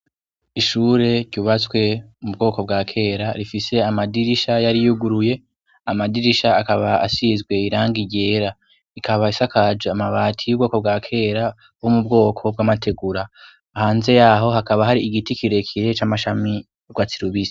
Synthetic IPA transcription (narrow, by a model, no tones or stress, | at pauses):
iʃuːɾe̞ɾɟuːβat͡swe̞mubɡo̞ːko̞bɡaːkʰe̞ːɾaɾifise̞amadiɾiʃajaɾijuɡuɾuje̞ | amadiɾiʃaːkaβaa̰sizɡwe̞iɾaːŋɡiɟe̞ːɾa | ikʰaβaisakʰad͡ʒeamaβaːtʰijubɡo̞ːko̞b̚ɡaːkʰe̞ːɾa | womubɡo̞ːkʰo̞b̚ɡaːmatʰe̞ɡuɾaː | haːnze̞jaɦo̞ɦakaβaɦaɾiːɡitikiɾe̞kʰiɾe̞t͡ʃamaʃami | ɡwat͡siɾuβis